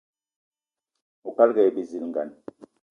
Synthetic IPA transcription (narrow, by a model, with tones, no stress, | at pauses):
u˨ka˦lɡɛ˨bi˨zi˨lŋɡa̰˨n